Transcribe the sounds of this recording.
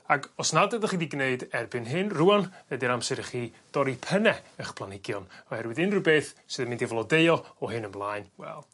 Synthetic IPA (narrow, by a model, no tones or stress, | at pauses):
aɡɔsnadəðəχiːdiɡneɨdɛrbɨnɦɨnruanɛdiɾamsɛɾəχiːd̥ɔɾipʰənɛəχpʰlˠanɪɡjɔnɔhɛɾwɨðɨnrubeːθsɨðəmɪ̃ndivlˠɔdeɨɔɔɦɨnəmlˠaɨnwɛ̰lˠ